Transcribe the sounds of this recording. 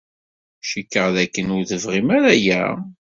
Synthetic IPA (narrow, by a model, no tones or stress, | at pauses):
ʃikːəʁðækːənʊɾðəvʁimæɾæjæ̰